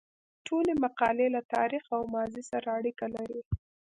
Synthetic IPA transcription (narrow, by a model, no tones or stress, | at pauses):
ʈʰolemaqɑlelat̪ɑ̰ɾixawmɑzisaɾaːɽikalaɾi